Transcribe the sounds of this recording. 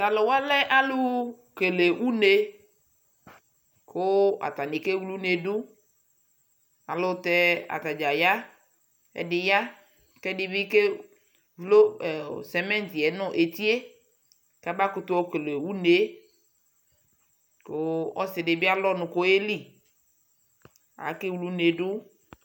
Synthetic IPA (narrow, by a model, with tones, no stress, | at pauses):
ta˨lɔ˨wa˦lɛ˦ʔa˦lʊ˦ | ke˨le˨wu˦ne˨ | kʊ˦a̰˨ta˨nɪ˨ke˦wlu˦ne˨dʊ˦ | a˨lʊ˦t̪ɛ˦a̰˨t̪a˨d͡ʒa˨ja˦ | ɛ̰˨dɪ˨ja˦ | kɛ˦dɪ˨bi˦ke˦ | vlo˦˨sɛ˨mɛ̃˦nt̪i˨ɛ˨nʊ̃˦ʔe˨t̪i˦e˦ | ka˦ba˦kʊ˦t̪ʊ˦ɔ˦kle˨wu˦ne˨˦ | ko˦ɔ˦sɪ˨dɪ˨bɪ˦a˦lɔ˦nʊ̃˨ko˦e˦li˦˨ | a̰˨˦ke˦wlu˦ne˨ɖʊ˦